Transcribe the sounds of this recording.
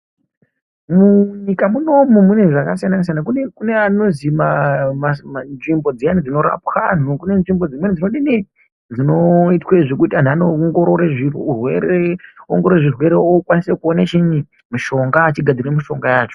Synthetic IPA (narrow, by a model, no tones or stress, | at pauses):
muɲikamuno̞mumune̞ʐakasianans̬janakunekune̞ano̞zimamamnʐimbo̞d͡zijanid͡zino̞ɾa̰pxan̤ukune̞nʐimbo̞d͡zimwenid͡zinoɗini | d͡zino̞itweʐekutian̤anoŋɡoɾoɾeʐirweɾeoŋɡororeʐirwe̞ɾeokwanisekuonat͡ʃiɲi | miʃo̞ŋɡaːt͡ʃiɡʱad͡ziɾemiʃo̞ŋɡajaːt͡ʃo̞